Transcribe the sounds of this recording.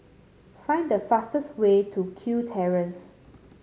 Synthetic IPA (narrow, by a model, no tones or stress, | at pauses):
fãj̃ndəfastəswetʰukʰjutʰɛɹə̃ns